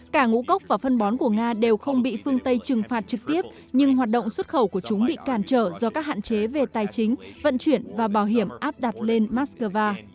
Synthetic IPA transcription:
kaː˧˩ŋṵ˧˥kə˦˥wk͡p̚vaː˨˩fə˧nɓɔ˨˦nku˧˩əŋaː˧ɗe˨˩wxə˧wŋ͡mɓḭ˧˨fɨ˧əŋt̪ə˧jt͡ɕɨ˨˩ŋfaː˨˩t̚t͡ɕɨ˨˩k̚t̪i˦˥əp̚ | ɲɨ˧ŋɦwaː˨˩t̚ɗo̰˧˨wŋ͡mswə˦˥t̚xə˧˩wku˧˩ət͡ɕʊ˨˦ŋ͡mɓḭ˧˨kaː˧˩nt͡ɕəː˧˩zɔ˧kaː˦˥k̚ha̰ː˧˨nt͡ɕe˨˦ve˨˩t̪aː˨˩jt͡ɕï˨˦ŋ̟və̰˧˨nt͡ɕwi˧˩ənvaː˨˩ɓaː˧˩wɦi˧˩əmʔaː˦˥p̚ɗa˨˩t̚le˧nmaː˦˥t̚skəː˧vaː˧

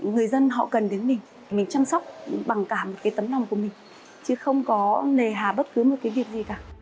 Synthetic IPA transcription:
ŋɨ˨˩əjzə˧nɦɔ̰˧˨kə˨˩nɗe˨˦nmï˨˩ŋ̟ʰi˨˩mï˨˩ŋ̟t͡ɕa˧ŋsa˦˥wk͡p̚ɓa˨˩ŋkaː˧˩mo˨˩t̚kaː˨˦jt̪ə˨˦mnla˨˧wŋ͡mku˧˩əmï˨˩ŋ̟ | t͡ɕɨ˨˦xə˧wŋ͡mkɔ˨˦le˨˩ɦaː˨˩ɓə˦˥t̚kɨ˨˦mo˨˩t̚kaː˨˦jvi˨˩ək̚zi˨˩kaː˨˩

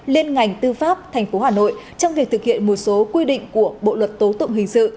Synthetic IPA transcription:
li˧ənŋa˨˩jŋ̟t̪ɨ˧faː˦˥p̚t̪ʰjŋ̟fo˨˦ɦaː˨˩no̰˧˨j | t͡ɕɔ˧wŋ͡mvi˨˩ək̚t̪ɨ˨˩k̚hḭ˧˨ənmo˨˩t̚so˨˦kwi˧ɗḭ̈˧˨ŋ̟ku˧˩əɓo̰˧˨lwə˨˩t̚t̪o˨˦t̪ʊ̰˧˨wŋ͡mɦï˨˩ŋ̟sɨ̰˧˨

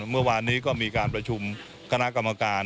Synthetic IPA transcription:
mɯ˥˩ɐwaː˧nːiː˦˥kɔː˥˩miː˧kaː˧npɾa˧t͡ɕʰu˧m | kʰa˧na˦˥ʔka˧mːa˧kaː˧n

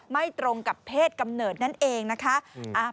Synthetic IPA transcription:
ma˥˩jt̪ɾo˧ŋka˨˩pʰːeː˥˩t̪̚ka˧mnɤː˨˩t̪̚na˥˩nʔeː˧ŋna˦˥kʰa˦˥ʔʔa˧˩

